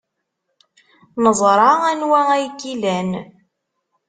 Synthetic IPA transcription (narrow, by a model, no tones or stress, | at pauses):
nəzˤɾˤɑænwææjkːilæn